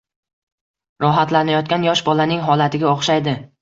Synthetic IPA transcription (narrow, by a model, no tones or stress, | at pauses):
ɾɒɦat̪lanajɒt̪̚kʲanjɒʃbɒlanɪŋɦɒlat̪ʰɪɡʲaoχʃajd̪ɪ